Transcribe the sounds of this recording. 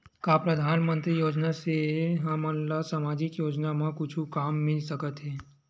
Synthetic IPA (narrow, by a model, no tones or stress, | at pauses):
kaːpɾɐd̪ʱaːnmə̃nt̪ɾijoːd͡ʒnaseɦɐməllasamaːd͡ʒɪkjoːd͡ʒnamãkʊt͡ʃʰukaːmːɪlsɐkət̪ɦɛː